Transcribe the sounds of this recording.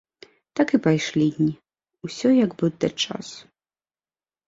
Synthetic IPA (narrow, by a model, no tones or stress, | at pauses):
t̪akɨpajʂlʲid̪ʲnʲi | usʲɔjaɡbɨd̪ɐ̰t͡ʂa̰su̥